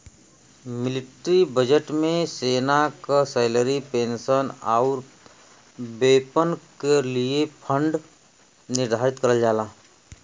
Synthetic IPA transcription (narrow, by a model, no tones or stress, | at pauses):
mɪlɪʈɾibəd͡ʒəʈmẽseːnakasɛɪləɾipẽːnsənaʊɾ | beːpənkeliepʰə̃ɳɖ | nɪɾd̪ʱaːɾɪt̪kəɾəld͡ʒaːlaː